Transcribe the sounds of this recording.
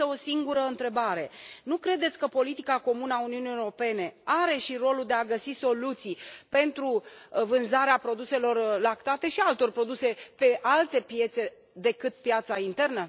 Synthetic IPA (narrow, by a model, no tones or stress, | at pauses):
əo̞siŋɡuɾəɨnt̪ɾe̞baɾe̞nukɾe̞d̪e̞t̪sʲkəpo̞lit̪ikako̞munəauniuniewɾo̞pe̞ne̞aɾe̞ʃiɾo̞lud̪e̞aɡəsiso̞lut̪sijpe̞nt̪ɾuvɨnzaɾeapɾo̞d̪use̞lo̞rlakt̪at̪e̞ʃialt̪o̞rpɾo̞d̪use̞pe̞ʔalt̪e̞pje̞t̪se̞ | d̪e̞kɨt̪̚pjat̪saint̪e̞rnə